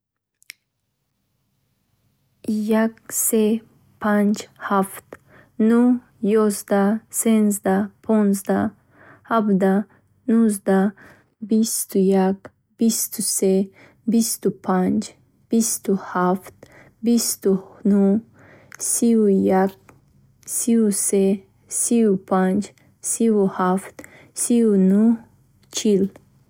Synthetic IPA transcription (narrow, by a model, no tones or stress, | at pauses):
jak̚se | pʰand͡ʒhaft̪ | nu | jozd̪asenzd̪apʰɔnzd̪a | habd̪a | nuzd̪a | bist̪ujak | bist̪ʰuse | bist̪upʰand͡ʒ | b̥ist̪uhaft̪ | bist̪unu | sijak̚ | siuse | siupʰand͡ʒ | siwuhaft̪ | siunu | t͡ʃʰil